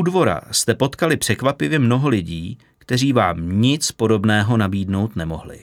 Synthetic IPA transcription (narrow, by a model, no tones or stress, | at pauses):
udvo̞ɾa̰st̪ɛpo̞t̪kalɪpr̝̥ɛkvapɪvjɛmno̞ɦo̞lɪɟiː | kt̪ɛr̝iːvaːmɲɪt͡spo̞do̞bnɛːɦo̞nabiːdno̞wt̪nɛmo̞ɦlɪ̰